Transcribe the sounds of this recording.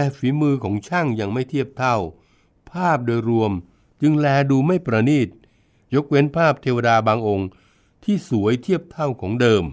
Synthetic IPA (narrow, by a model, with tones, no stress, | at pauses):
ɛ˧fiː˩˦mɯː˧kʰɔː˩˦ŋt͡ɕʰa˥˩ŋja˧ŋma˥˩jt̪ʰiː˥˩əp̚t̪ʰa˥˩w | pʰaː˥˩p̚doː˧jɾu˧əm | t͡ɕɯ˧ŋlɛː˧duː˧ma˥˩jpɾa˧niː˥˩t̪̚ | jo˦˥k̚we˦˥npʰaː˥˩p̚t̪ʰeː˧waː˧daː˧baː˧ŋʔo˧ŋ | t̪ʰiː˥˩su˩˦əjt̪ʰi˥˩əp̚t̪ʰa˥˩wkʰɔː˩˦ŋdɤː˧m